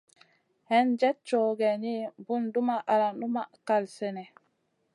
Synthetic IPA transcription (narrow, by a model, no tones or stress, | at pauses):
hɛnd͡ʒɛt͡ʃːɔɡɛnibundumaʔalanɗumakalsɛnɛ